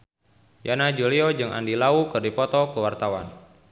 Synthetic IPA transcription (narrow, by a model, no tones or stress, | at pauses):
janad͡ʒuliɔd͡ʒɨŋʔa̰ndilaukɨrdipɔt̪ɔkəwart̪awa̰n